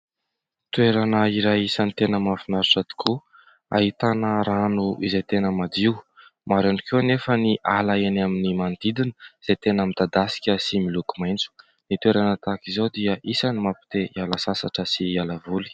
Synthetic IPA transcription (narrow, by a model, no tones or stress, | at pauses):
t̪weɾanəiɾajisanit̪enəmafinaɾuʈ͡ʂad̪i̥kʰu | a̰ɦit̪anəɾanuizet̪enəmad̪iw | maɾaɳikewnefəniʔalaenaminimand̪id̪inəiz̥et̪enəmid̪̥ad̪asi̥kʲəsimilukumajnt͡su̥ | nit̪weɾanət̪akizod̪iəʔisanimapi̥t̪eialasasaʈ͡ʂəsialavuli̥